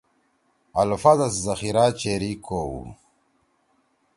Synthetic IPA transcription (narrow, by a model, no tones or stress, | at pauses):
alfad̪aszɐxiɾat͡ʃeɾikʰowṵ